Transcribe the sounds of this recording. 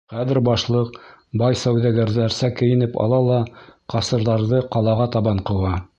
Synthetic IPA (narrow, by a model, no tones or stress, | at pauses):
χæðɘ̆ɾbɑʃlˠɤqbɑjsæwðæɡæɾðæɾsækɘ̆jɘ̆nɘpɑ̰lˠɑlˠɑqɑsɤ̆ɾðɑɾðɤqɑlˠɑʁɑt̪ɑβɑɴqɤ̆wɑ